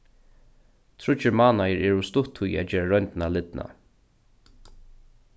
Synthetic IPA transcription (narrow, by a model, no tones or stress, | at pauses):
t̪ʰɹʊt͡ʃəɹmaːnajəɹɛɹʊst̪ʊt̪ʰhuj̰æ̰d͡ʒɛːɹaɹœnt̪nalɪt̪nʔa̰